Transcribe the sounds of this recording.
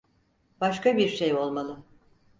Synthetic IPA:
b̥aʃkabiɾʃejo̞lˠmalˠɯ

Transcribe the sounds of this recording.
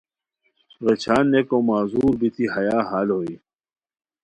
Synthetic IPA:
ɣet͡ɕʰaːnːekomaːzuːɾbit̪ʰiɦɐjaːɦaːlɦoːiː

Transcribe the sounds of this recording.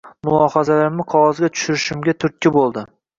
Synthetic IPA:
mʊlˠɒhazalaɾɪmnɪqʰɒʁɒzɡʲat̪ʰʊ̥ʃʊɾɪʃɪmɡʲat̪ʰʊɾt̪̚kʲʰːɪbolˠd̪ɪ

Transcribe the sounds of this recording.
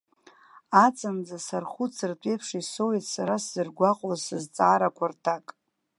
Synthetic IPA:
at͡sʼand͡zasarχut͡sʰɨrtʷʼejpʰʂiso̞witʰʼsaɾaszɨrɡʷaqʼazsɨzt͡sʼaːɾakʷʰartʰakʼ

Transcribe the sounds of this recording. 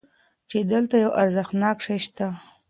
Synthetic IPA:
t͡ʃed̪əlt̪ajawʔaɾzəxnɑkʂajʃt̪a

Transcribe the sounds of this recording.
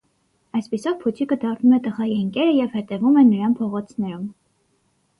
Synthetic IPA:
ɑjspisɔvpʰut͡sʰikəd̪ɑrnumɛt̪əʁɑiəŋkɛɾəjɛvhɛt̪ɛvumɛnːəɾɑnpʰɔʁɔt͡sʰnɛɾum

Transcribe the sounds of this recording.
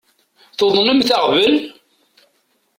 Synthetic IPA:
θoðˤnəmθaʁvəl

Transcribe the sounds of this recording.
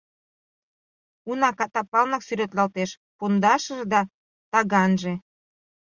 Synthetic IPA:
unɑkɑt̪ɑpɑlnɑksyɾet̪lɑlt̪eʃ | pond̪ɑʃə̆ʒed̪ɑ | t̪ɑɣɑnʒe

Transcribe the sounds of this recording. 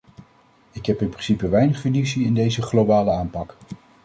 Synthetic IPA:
ɪkɦɛpɪnprɪnsipəʋɛjnəχinisiɪndejzəχlobaːləaːmpɑk

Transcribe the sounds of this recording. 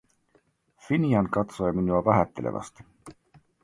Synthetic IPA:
finiɑnkɑt̪sojɑminuɑvæɦæt̪ːˑelʔḛvʔɑ̰st̪

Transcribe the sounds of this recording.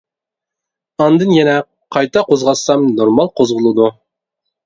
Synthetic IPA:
ɑnd̪ɨnjɛnɛ | qʰɑjt̪ʰɑqozʁɑsːɑmnoɾmɑlˠqʰozʁʊlˠɨd̪u

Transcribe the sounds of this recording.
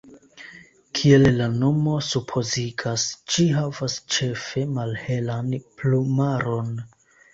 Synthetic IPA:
kʰie̞llano̞mo̞supʰo̞ziɡast͡ʃiɦavast͡ʃe̞fe̞malhe̞lanplumaɾo̞n

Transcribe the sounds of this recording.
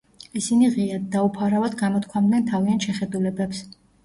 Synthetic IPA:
isiniʁiaːaupʰaɾavad̪ɡamɔt̪̚kʰwamd̪nɛnt̪ʰaviant̪ʃɛχɛd̪ulɛbɛps

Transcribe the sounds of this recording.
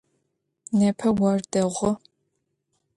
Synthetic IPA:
nɐpʰɐwɐrdɐʁʷʊ

